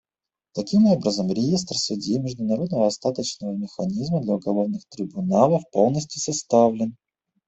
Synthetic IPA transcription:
t̪ɐkʲimo̞bɾəzəmɾʲɪjest̪rsʊdʲjemʲɪʐd̪ʊnɐɾo̞d̪nəvəɐst̪at̪ət͡ɕnəvəmʲɪxɐnʲizməd̪lʲɐʊɡɐlˠo̞vnɨxt̪ɾʲɪbʊnalˠəfpo̞lˠnəsʲtʲʊsɐst̪avlʲɪn

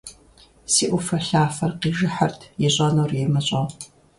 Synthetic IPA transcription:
siːʔʷʊfɐɬaːfɐrqiːʒɨħɐrtʰjɛɕʼɐnɐwrjɛmɐɕʼɐ

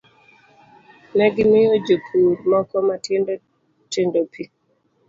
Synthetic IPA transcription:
nɛɡɪmɪjod͡ʒopʰudmɔkɔma | tendopʰi

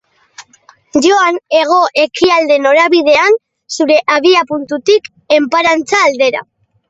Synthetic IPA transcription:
ʝo̞ane̞ɣ̞o̞ʔe̞kiald̪e̞no̞ɾaβið̞e̞an | suɾe̞ʔaβiapunt̪ut̪ik | e̞mpaɾant͡saːld̪e̞ɾa̰

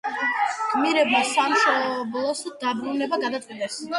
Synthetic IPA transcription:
ɡʼmiɾɛbmasamʃɔblˠɔsd̪abɾunɛbaɡad̪at̪ʼqʼid̪ɛs

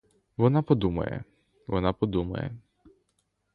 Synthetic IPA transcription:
ʋɔnapɔd̪umɐ̰jɛ̰ | ʋɔnapɔd̪umɐ̰jɛ̰

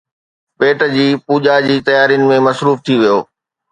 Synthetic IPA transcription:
peːʈə̆d͡ʑiːpuːd͡ʑad͡ʑiːt̪ɐjaːɾijʊnɪ̆mẽmɐsɾuːft̪ʰiʋijoː

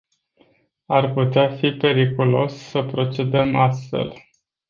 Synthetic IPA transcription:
arput̪eafipe̞ɾikulo̞̰sːəpɾo̞t͡ʃe̞d̪əmast̪fe̞̰l

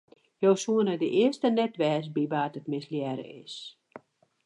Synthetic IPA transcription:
jowsuənədəʔɪəstənɛtʋɛːsbiʋaːtətmɪsljɛːɾə̰ɪ̰s

